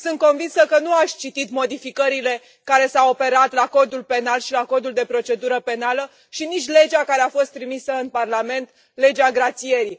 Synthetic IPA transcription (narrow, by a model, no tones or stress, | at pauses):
sɨnt̪̚ko̞nvinsəkənuaʃʲt͡ʃit̪it̪mo̞d̪ifikəɾile̞ | kaɾe̞sawope̞ɾat̪lako̞d̪ulpe̞nalʃilako̞d̪uld̪e̞pɾo̞t͡ʃe̞d̪uɾəpe̞nalə | ʃinit͡ʃʲle̞d͡ʒakaɾe̞afo̞st̪ːɾimisəɨnparlame̞nt̪ | le̞d͡ʒaɡɾat̪sie̞ɾi